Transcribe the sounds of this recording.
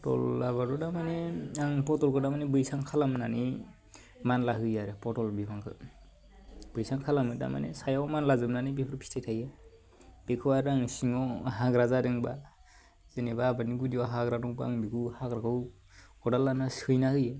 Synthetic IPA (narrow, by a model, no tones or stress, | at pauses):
pɔtɔ̰lːabadɔdamanɛaŋpɔtɔlkʰɯdamanɛbɯjsaŋkʰalamnani | manlaɦɯjaɾɯpɔtɔlbibaŋkʰɯ̰ | b̥ɯjsaŋkʰalamɯda̰ma̰nɛ̰sajamanlazɯmnanibekʰɯɾpʰi̥tʰatʰaja | b̥ekʰɯwaɾaŋsiŋɔɦaɡɾazadɯŋba | z̥enɛbaːbaniɡudiwaɦaɡɾadɔŋbaaŋbikuhaɡɾakʰɯw | ɔdalanasɯjnahɯjɛ